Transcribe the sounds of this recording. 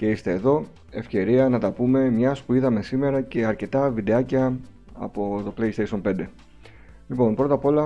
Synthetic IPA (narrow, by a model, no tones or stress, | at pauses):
ce̞ist̪e̞ːðo̞ | e̞fce̞ɾiɐnɐt̪ɐpume̞mɲɐspuiðɐme̞sime̞ɾɐce̞ɐɾce̞t̪ɐvid̪eɐcɐ | ɐ̰po̞t̪o̞klejst̪ejsio̞npe̞nd̪e̞ | lipo̞npɾo̞t̪ɐpo̞lɐ